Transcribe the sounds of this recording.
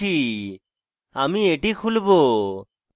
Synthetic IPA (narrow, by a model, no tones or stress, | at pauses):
iː | aːmĩːeʈikʰulboː